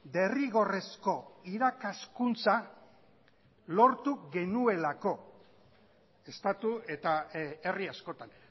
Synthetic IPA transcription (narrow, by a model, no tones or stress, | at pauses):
d̪e̞riɣo̞re̞sko̞iɾakaskunt͡sa | lo̞ɾt̪uɣe̞nue̞lako̞ | e̞st̪at̪ue̞t̪ae̞riasko̞t̪an